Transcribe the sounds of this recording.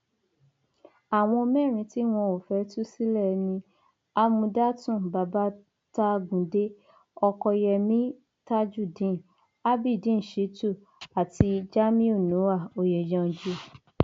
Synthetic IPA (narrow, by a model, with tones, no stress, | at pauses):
a˨w̃ɔ̃˧mɛ̃˦˨ɾ̃ĩ˧ti˦w̃ɔ̃˧o˨fɛ˧˦tu˦si˦lɛ˦˨nĩ˧ | a˦mũ˧da˦tũ˦˨ba˨ba˦ | ta˧ɡũ˨de˦ | ɔ˧kɔ˧jɛ˧mĩ˦ | ta˦d͡ʒu˦˨dĩ˨˦˨ | a˦bi˦˨dĩ˦˨ʃi˨˦tu˦˨ | a˨ti˧d͡ʒa˦mĩ˦o˦˨nũ˨˦wa˦˨o˨jɛ˨d͡ʒã˨˧˨d͡ʒu˦˨